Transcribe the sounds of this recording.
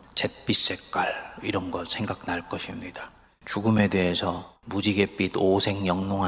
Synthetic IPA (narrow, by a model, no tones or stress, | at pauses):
t͡ɕe̞p͈is͈e̞k̚k͈aɭiɾʌnɡʌtsʰe̞ŋɡak̚naɭk͈ʌɕʰimɲida | t͡ɕuɡume̞de̞ɦesʰʌmud͡ʑiɡe̞p͈idosʰe̞ŋjʌŋnoŋɦa